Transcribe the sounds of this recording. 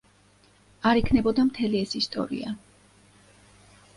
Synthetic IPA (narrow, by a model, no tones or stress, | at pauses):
aɾikʰnɛbɔd̪amt̪ʰɛliɛsist̪ʼɔ̰ɾḭa